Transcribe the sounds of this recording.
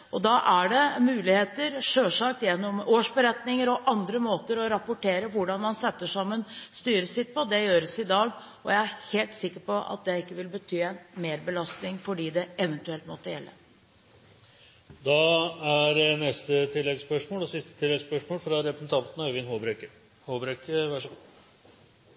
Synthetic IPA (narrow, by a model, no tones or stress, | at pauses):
ʔɔd̪ɑʔæɖɛmʉːlɪheːt̪əɾʂøːʂɑk̚t̪jɛnːɔmoːʂbəɾɛt̪nɪŋəɾɔʔɑnd̪ɾəmoːt̪əɾɔɾɑpʊʈʰeːɾəʋʊɖɑnmɑnsɛt̪ːəʂɑmːənst̪yːɾəsɪt̪̚ːpʰɔd̪ɛjøːɾəsɪd̪ɑːɡ | ɔ̰jæɪæɾheːlt̪sɪkːəɾpɔʔɑ̰t̪̚d̪ɛɪkːəʋɪlbət̪ʰyːɛnmeːɾbəlɑst̪nɪŋfɔɖiːd̪ɛɛʋənt̪ʉɛlt̪mɔt̪ːəjɛlːə̰ | d̪ɑæɾnɛst̪ət̪ʰɪlːɛɡspœʂmoːlɔsɪst̪ət̪ʰɪlːɛɡspœʂmoːlfɾɑɾɛpɾəsn̩t̪ʰɑnt̪n̩ɑɾʋɪnhoːbɾɛkːə | hoːbɾɛkəʋæʂ